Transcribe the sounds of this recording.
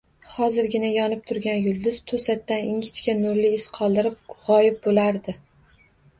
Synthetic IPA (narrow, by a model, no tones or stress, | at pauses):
hɒzɪɾɡʲɪnajɒnɪp̚t̪ʰʊɾɡʲanjʊlˠd̪ʊz̥t̪ʰosat̪ːanɪŋɡʲɪt͡ʃkʲanʊɾlɪɪsqʰɒlˠd̪ɪɾɪp̚ʁɒjɪp̚bolaɾd̪ɪ